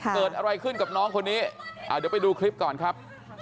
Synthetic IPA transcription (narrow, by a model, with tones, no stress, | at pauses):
kɤː˨˩t̪̚ʔa˧ɾa˧jkʰɯ˥˩nka˨˩p̚nɔː˦˥ŋkʰo˧nːiː˦˥ʔa̰ː˨˩di˨˦wpa˧jduː˧kʰɾi˦˥p̚kɔː˨˩nkʰɾa˦˥p̚